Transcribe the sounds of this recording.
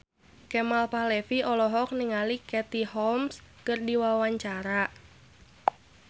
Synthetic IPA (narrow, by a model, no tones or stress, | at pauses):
kɛmalpahlɛfiʔɔlɔɦɔk̚niŋalikɛt̪ihɔmskərdiwawaɲt͡ʃaɾa